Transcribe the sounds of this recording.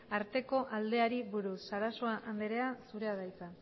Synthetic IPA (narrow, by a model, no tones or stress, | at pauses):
aɾt̪e̞ko̞ʔald̪e̞aɾiβuɾusːaɾaso̞aʔand̪eɾe̞asuɾe̞aðajt͡sa